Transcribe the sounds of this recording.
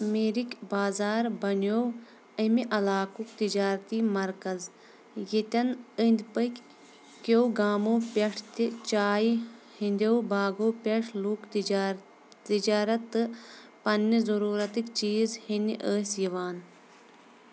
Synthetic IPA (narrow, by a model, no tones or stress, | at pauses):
meːɾikʲbaːzaːɾbɐnow | əmiʔɐlaːkukt̪id͡ʒaːɾt̪iːmɐɾkɐz | jit̪ʲɐnənʲd̪ʲpəkʲ | kowɡaːmoːpeʈʰt̪it͡ʃaːj | hinʲd̪ʲowbaːɡoːpeʈʰlukt̪ː | t̪id͡ʒaːɾɐt̪ːɨ | pɐnːizɐɾuːɾɐt̪ikt͡ʃiːzhiniʔəːsjiʋaːn